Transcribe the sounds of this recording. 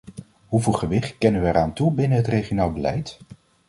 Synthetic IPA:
ɦuvɪlˠχəʋɪχt̚kɛnəʋəɛɾaːntubɪnəɦətrejχionaːlˠbəlɛ̰jt

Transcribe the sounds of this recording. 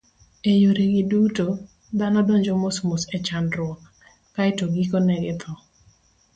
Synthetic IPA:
ejoɾeɡɪduto | d̪anɔdoɲd͡ʒomosmosɛt͡ʃandɾʊɔk | kaɛtoɡikonɛɡɪt̪ʰɔ

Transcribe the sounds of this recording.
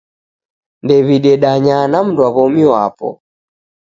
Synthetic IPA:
ndɛβiɗɛɗaɲanam̩ndwaβɔmiwa̰pɔ̰

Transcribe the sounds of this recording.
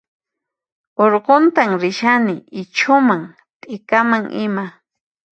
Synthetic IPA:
oɾɢont̪aŋɾɪʃanɪɪt͡ʃʰʊmaŋ | t̪ʼɪkamaŋʔɪma

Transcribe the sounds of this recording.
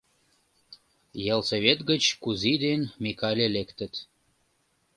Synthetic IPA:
jelseβet̪ɡət͡ɕkuzid̪enmikɑlʲelekt̪ə̆t̪

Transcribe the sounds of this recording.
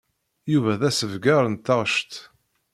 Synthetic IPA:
juvæðæsəvɡaɾˤənt̪ːɑʁʃt̪

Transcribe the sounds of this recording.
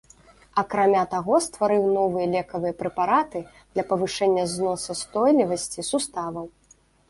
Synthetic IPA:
ɐkɾamʲat̪aɣɔst̪vaɾɨwnɔvɨjɐlʲɛkɐvɨjɐpɾɛpaɾat̪ɨ | d̪lʲɐpɐvɨʂɛnʲːɐznɔsɐst̪ɔjlʲivɐsʲt͡sʲisust̪avɐw

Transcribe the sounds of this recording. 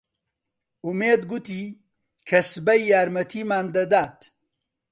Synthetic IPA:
umeːd̪ɡut̪iː | kʰɐsbɐjːaːɾmɐt̪ʰiːmaːnd̪ɐd̪aːt̪

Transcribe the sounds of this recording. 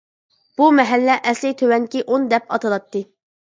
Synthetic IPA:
b̥umɛɦælːɛʔɛslɪt̪ʰøwɛŋkʲiʔond̪ɛpɑt̪ʰɨlˠɑt̪ːɨ

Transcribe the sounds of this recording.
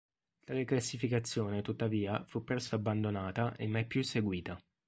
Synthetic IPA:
laɾeklasːifikat̪sːjoːnet̪ut̪ːaviːafupːɾɛsːoabːand̪onaːt̪aʔemːajpːjusːeɡwiːt̪a

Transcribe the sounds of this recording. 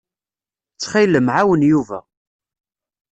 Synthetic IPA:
t͡sːχiləmʕawənjuvæ

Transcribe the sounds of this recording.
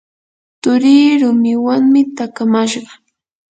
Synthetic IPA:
t̪ʊɾiːɾʊmɪwaŋmɪt̪akamaʃɢɑ

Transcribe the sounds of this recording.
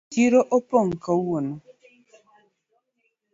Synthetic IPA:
iɾoʔɔpoŋkawono

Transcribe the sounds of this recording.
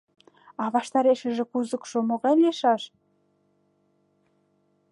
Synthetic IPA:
ɑβɑʃt̪ɑɾeʃə̆ʒĕkuzə̆kʃomoɣɑlʲeʃɑʃ

